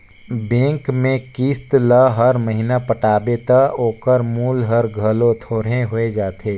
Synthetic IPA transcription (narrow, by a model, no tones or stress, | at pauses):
bẽːŋkmẽkiːst̪laɦəɾməɦiːnapəʈaːbet̪aoːkəɾmuːlɦɐɾɡʱɐlõt̪ʰoːɾẽɦoed͡ʒaːt̪ʰeː